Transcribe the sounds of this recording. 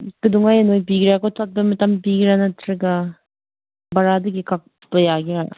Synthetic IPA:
kɯduŋajenojpiɡiɾakɔtʰat̚bɐmɐtampiɡiɾanɐtʰɾɐɡa | bɐɾadɯɡikak̚ | bɐjaɡiɾa̰

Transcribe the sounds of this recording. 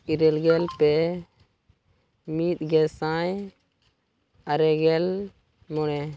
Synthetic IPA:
iɾɛlɡɛlpɛ | mit̪̚ɡɛsaj | aɾɛɡɛl | mɔnɛ

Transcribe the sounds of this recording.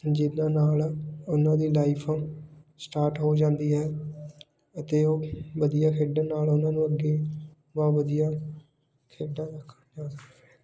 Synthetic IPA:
d͡ʒɪnãːnaːlʊnãːd̪iːlaːɪpʰãːsʈaːɾʈɦoːd͡ʒãːnd̪iːɦɛː | ət̪eːoːʋəd̪ijaːkʰeːɖənaːlʊnãːnũːəɡeː | baːʋəd̪ijaː | kʰeːɖaːɾəkʰ | d͡ʒaːsək | ɛː

